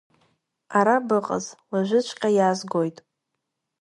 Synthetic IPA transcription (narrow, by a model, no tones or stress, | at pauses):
aɾabɨqʼə̰zlaʒʷɪt͡ʃʷʰʼqʲʼajazɡo̞jtʼ